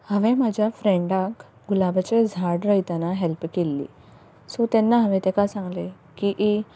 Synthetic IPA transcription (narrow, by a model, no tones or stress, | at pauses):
həʋẽmad͡ʑʱjafɾɛ̃ɳɖak | ɡulabʱat͡ɕed͡zʱaɽɾəjt̪anaɦɛlpkelːḭː | sɔt̪ɛnːaɦəʋẽt̪ekasãŋɡle | kiʔi